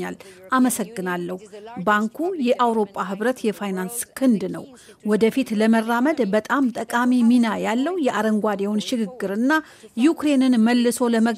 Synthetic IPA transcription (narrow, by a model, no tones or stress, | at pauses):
alʔaməsəɡːɨnalːəhubaŋkʰujɛʔawɾo̞pʼːaɦɨβɾət̪jɛfajnanskʰɨnd̪nə̰w | wɔd̪əfit̪ləmərːaməd̪bət̪ʼamt̪ʼəkʼamiminajalːəwjɛʔaɾəŋɡʷad̪ɛwnʃɪɡɨɡːɨɾɨnːa | jukɾe̞nɨnməlːɨso̞ləmə